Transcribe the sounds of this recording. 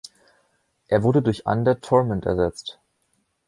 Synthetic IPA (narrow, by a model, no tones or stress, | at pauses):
ʔeːɐvʊɐdədʊɐçʔa̰ndɐtʰɔɐmɛntɛ̰ɐzɛt͡st